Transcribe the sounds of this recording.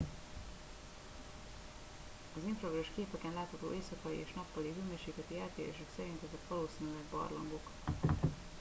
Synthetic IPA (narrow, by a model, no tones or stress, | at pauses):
ɒziɱfroɡoʃkeːpɛkɛnlaːt̪hɒt̪o̰ːʔeːsɒkɒlḭeːʃnɒpːɒliɦyːmøːʃiːk̪lɛt̪iɛlt̪eːɾḛːʃɛksɛɾint̪ɛzɛk̪ʋɒloːsiːnylɛɡbɒ̰rlɒ̰mbok